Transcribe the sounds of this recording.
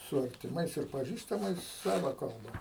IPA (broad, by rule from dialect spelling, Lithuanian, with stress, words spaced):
sʊ ɐrʲtʲɪˈmɐɪs ɪr pɐˈʒʲiːstɐmɐɪs ˈsɑːʋɐ kɐlˠˈbɐ